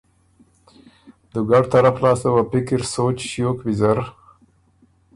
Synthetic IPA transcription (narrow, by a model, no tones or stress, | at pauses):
d̪əɡaɖt̪aɾaflɑsawapɪkɪɾsot͡ʃʃjokwɪzaɾ